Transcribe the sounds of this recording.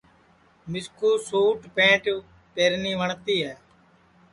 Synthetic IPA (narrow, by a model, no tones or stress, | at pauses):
mɪskuːsuːʈpẽːʈ | peːɾniːʋəɳt̪iːɦɛː